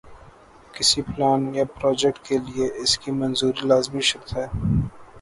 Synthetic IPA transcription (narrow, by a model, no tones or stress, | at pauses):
kɪsiplaːnjapɾɔːd͡ʒɛk̚ʈ̚kelieʔɪskimɐnzuːɾilaːzmiʃɐkt̪ɦɛː